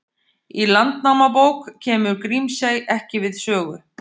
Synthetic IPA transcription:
ilant̪nawmapowkcʰɛːmʏɾkɾimsaːjʔɛhcɪvɪðsœːɣʏ

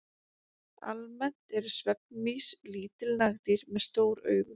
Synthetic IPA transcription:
a̰lmɛn̥t̪ɛɾʏsvɛp̚nmisliːt̪ɪlnaɣt̪iɾmɛðst̪oːwɾœ̰ːɥɣʏ

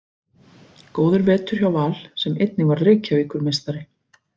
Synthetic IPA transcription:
koːwðʏɾvɛːt̪ʏɾ̥çjawvaːl̥sɛmejt̪nɪvaɾɾeːjcaviːkʏɾmejst̪aɾɪ

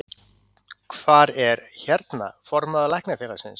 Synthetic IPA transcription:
kʰvaːɾɛɾçɛɾt̪na̰fɔɾmaðalajhknafɛːɾḁsɪns

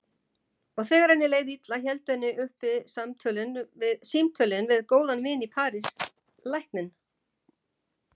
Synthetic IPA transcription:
ɔɣθɛːɣaɾhanːɪleːjðɪit̪laçɛlt̪ʏɛnːɪʔʏhpɪðsamt̪ʰœlɪnvɪðsimt̪ʰœlɪnvɪðkoːwðanvɪːnipʰaːɾɪs | lajhknɪn

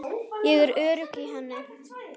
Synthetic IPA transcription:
jɛɣɛɾœːɾʏkiɦɛnːɪ

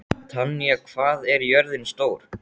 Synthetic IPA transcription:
t̪ʰanːijakʰv̥aːðɛɾjœɾðɪnst̪oːwɾ̥

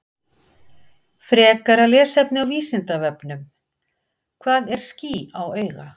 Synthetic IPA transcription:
fɾɛːkaɾalɛːsɛpnɪawviːsɪnt̪avɛpnʏm | kʰvaːðɛɾ̥sciːawœːɥɣa̰

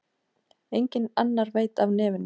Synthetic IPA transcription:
ejɲcɪna̰nːaɾveːjt̪avnɛːvʏnː

